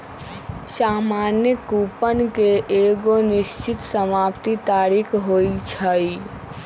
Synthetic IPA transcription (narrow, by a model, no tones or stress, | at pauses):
saːmaːnjəkuːpənkeʔeːɡonɪʃt͡ʃɪt̪səmaːpt̪it̪aːɾikʰɦoːit͡ʃʰəi